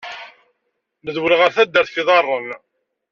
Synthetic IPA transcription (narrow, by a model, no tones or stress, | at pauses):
nəðwəlʁəɾθæd̪ːəɾθθiðˤɑrˤːən